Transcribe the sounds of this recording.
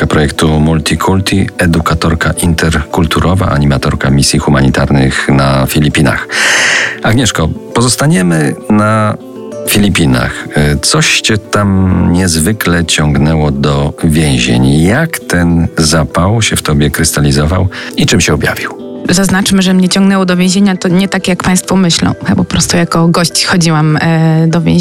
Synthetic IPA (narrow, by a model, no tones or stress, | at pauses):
pɾɔjɛkt̪umult̪ʲikʰult̪ʰʲiɛd̪ukat̪ɔɾkaʔint̪ɛɾkult̪uɾʔɔva̰ʔaɲimat̪ɔɾkamʲisʲjixumaɲit̪aɾnɘ̰xnafʲilʲipʲina̰x | aɡɲɛʂkɔpɔzɔst̪aɲɛmɘna | fʲilʲipʲina̰xt̪sɔɕt͡ɕɛt̪amɲɛzvɘklɛt͡ɕɔŋɡnɛwɔd̪ɔvʲjɛ̃w̃ʑḛɲjakt̪ɛnzapawɕɛft̪ɔbʲjɛkɾɘst̪alʲizɔva̰wit͡ʂɨmɕɛɔbja̰vʲiw | zaznat͡ʂmɘʐɛmɲɛt͡ɕɔ̃ŋɡnɛwɔd̪ɔvʲjẽʑeɲat̪ɔɲɛt̪akjakpaj̃st̪fɔmɘɕlɔ̰̃w̃xbɔpɾɔst̪ujakɔɡɔɕt͡ɕxɔd͡ʑiwamd̪ɔvʲjḛ̃